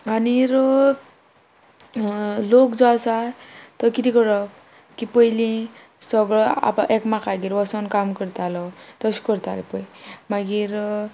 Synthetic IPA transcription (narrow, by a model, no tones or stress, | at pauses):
aniɾ | lokd͡zɔasat̪əkit̪ikəɾɔk | kipəjlĩ | səɡɭɔa̰pʔekmakaɡiɾʋɔsənkamkəɾt̪alɔt̪əsi̥kəɾt̪a̰lepəjmaɡiɾ